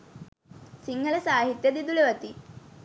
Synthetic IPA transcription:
siŋɡɐlɐsaːɦit̪jɐd̪id̪ulɐʋɐt̪i

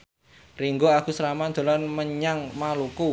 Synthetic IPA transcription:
riŋɡoakusəɾamand̪̥o̤lanməɲaŋmaluku

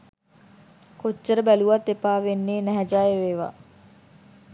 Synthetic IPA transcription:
kot͡ʃːəɾəbæluʋat̪ːepaːʋenːeːnɛɦɛd͡ʒaːjeʋeːʋa̰ː

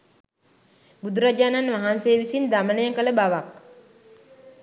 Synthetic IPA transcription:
bud̪uɾad͡ʒaːnanʋaɦanseːʋisind̪amənəjeŋkələbaʋak̚

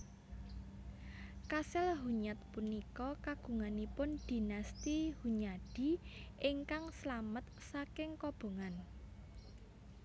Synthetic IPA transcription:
kasɪlɦuɲat̪̚punikɔkaɡ̥ṳŋanipʊnd̪̥i̤nast̪ihuɲaɖ̥i̤ʔɪŋkaŋslamət̪̚sakɪŋkɔb̥o̤ŋan

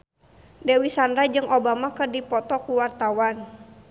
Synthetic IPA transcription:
dɛwisanɾad͡ʒɨŋʔobamakərdipɔt̪ɔkuwart̪awan

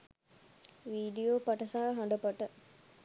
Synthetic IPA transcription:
ʋiːɖijopaʈəsaɦɐɦaɳɖəpɐʈə

